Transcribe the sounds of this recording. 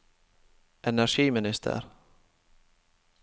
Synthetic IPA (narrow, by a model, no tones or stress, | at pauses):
ʔɛnæʂiːmɪnɪst̪ʰə̰ɾ